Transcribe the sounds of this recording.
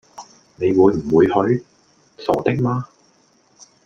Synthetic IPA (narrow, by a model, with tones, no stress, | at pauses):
ne˨˧jwuː˨˧jm̩˨˩wuː˨˧jhɵ˨˥ɥ | sɔ̰ː˨˩t̪ɪ˥k̚maː˥